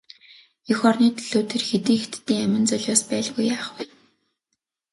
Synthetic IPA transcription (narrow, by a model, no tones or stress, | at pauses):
ɵxɔrniːt̪ʰɮoːt̪ʰĕrxet̪iːŋxet̪t̪ːiːŋæmʲɪ̆nt͡sœɮʲʊːspæːɮɣujːaːχwuː